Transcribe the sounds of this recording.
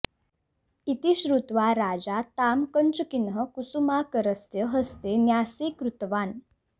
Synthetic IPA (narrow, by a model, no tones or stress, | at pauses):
it̪iɕɾut̪ʋaɾad͡zat̪amkənt͡ɕəkinɦəkusumakəɾəst̪jəɦəst̪enjasekɾut̪ʋaːn